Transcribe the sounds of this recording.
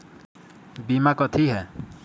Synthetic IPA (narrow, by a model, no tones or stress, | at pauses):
bimakɔt̪ʰiɦɛ